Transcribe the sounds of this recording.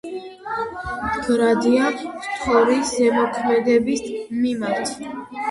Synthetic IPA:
ɡɾad̪iat̪ʰχʰɔɾisɛmɔkʰmɛd̪ɛbismimaɾt̪ʰ

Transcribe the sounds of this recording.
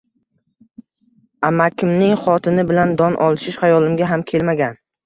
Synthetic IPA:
amakʲʰɪmnɪŋχɒt̪ʰɪnɪbɪland̪ɒnʔɒlˠʃɪʃhajɒlˠɪmɡʲaɦamkʲʰe̞lmaɡʲan

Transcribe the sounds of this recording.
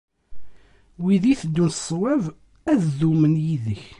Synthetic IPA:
wiðiθd̪ːunθsˤwæv | æððumənjiðəç

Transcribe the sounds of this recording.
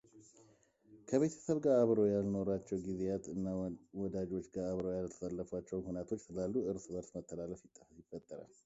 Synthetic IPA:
kʰəβe̞t̪ʰə̥səβɡaaβɾo̞jalno̞ɾat͡ʃːɛwɡize̞jat̪ʼɨnːawɔd̪ad͡ʒo̞t͡ʃːɡaaβɾojalət̪ʰə̥salːəfat͡ʃːɛwnhunat̪ʰo̞t͡ʃːsɨlalːuʔɨɾsbəɾsmət̪ʰːəlaləfjɪt̪ʼːəfəfjɪfət̪ʼːəɾa̰l

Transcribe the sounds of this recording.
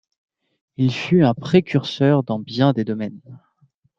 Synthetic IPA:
ilfyɛ̃pχekʲyʁsœʁd̪ɑ̃bjɛ̃d̪ed̪ɔmɛn

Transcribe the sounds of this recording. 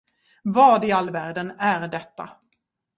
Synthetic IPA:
vɑːɖɪalːvæːɾɖənæɾɖɛt̪ːa̰

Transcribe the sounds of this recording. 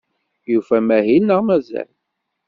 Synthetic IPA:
jufæmæɦinːəʁmæzæ̰l

